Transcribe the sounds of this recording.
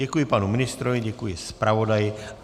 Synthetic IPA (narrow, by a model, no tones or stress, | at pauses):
ɛkujɪpanumɪnɪst̪ɾovɪɟɛkujɪspɾavo̞dajɪ